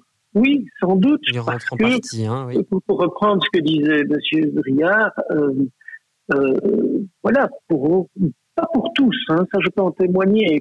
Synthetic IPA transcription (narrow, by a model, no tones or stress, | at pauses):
wisɑ̃d̪ut̪paʁsə̥kə | puʁpuʁːəpχɑ̃d̪ʁsə̥kəd̪izɛməsjøʁijaʁø | ø | vwalapuʁ | papuʁt̪usɛ̃saʒəpaɑ̃t̪emwaɲe